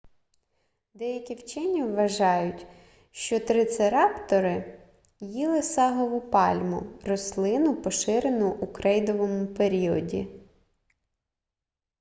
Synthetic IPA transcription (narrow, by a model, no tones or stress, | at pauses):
d̪ɛjɐkʲiwt͡ʃɪnʲiʋːɐʒɑjʊtʲ | ʃt͡ʃɔt̪ɾɪt̪seɾɑpt̪ɔɾɪ | jilˠɪsɑɦɔʋʊpɑlʲmʊ̰rɔslˠɪnʊpɔʃɪɾenʊʔukɾɛjd̪ɔʋɔmʊpeɾʲiɔ̰dʲḭ